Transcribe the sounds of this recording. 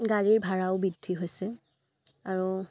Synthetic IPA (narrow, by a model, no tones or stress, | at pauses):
ɡaɹiɹbʱaɹaʊbidʱːiɦojsɛ | aɹu